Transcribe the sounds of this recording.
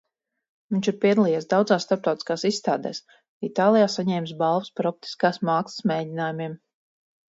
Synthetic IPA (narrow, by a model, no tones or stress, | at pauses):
viɲʲt͡ʃiɾpʲiɛd̪alˠijɛsd̪awd̪zaːsst̪aɾp̚t̪ɑwt̪ʲi̥skaːsisːt̪aːd̪ɛ̰ːs | it̪aːlˠijaːsaɲɛːmsbalˠvuspaɾɔp̚t̪i̥skaːsmaːksə̥smeːdʲinaːjumʲiɛm